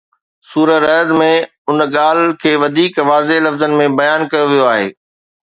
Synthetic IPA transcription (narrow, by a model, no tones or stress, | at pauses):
suːɾəɛːd̪mẽ | ʊnɠaːl̤kʰeːʋɐd̪ʱiːkʋaːzelɐfzənɪ̆mẽbɐjaːnkɐjoʋijoaːɦeː